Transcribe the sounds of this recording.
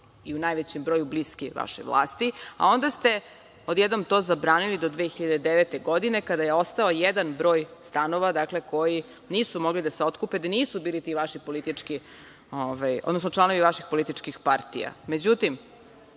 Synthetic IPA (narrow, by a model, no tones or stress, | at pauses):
iunajʋet͡ɕembɾo̞ːjubliskiʋa̰ʃḛʋlˠa̰ːst̪ia̰o̞nd̪ast̪e̞ | o̞d̪jed̪nomt̪o̞ːzabɾaːnilid̪o̞d̪ʋexiʎad̪ed̪eʋet̪e̞ɡod̪ine̞kad̪aje̞o̞st̪aojed̪anbɾo̞ːjst̪ano̞ʋad̪akle̞ko̞ji | niːsumo̞ɡlid̪aseo̞t̪kuped̪aniːsubiːlit̪iʋaʃipo̞lit̪it͡ʂki | ovajo̰d̪nosnot͡ʂlˠano̞ʋiʋaʃixpo̞lit̪it͡ʃkixpaɾt̪ḭja̰me̞d͡ʑut̪im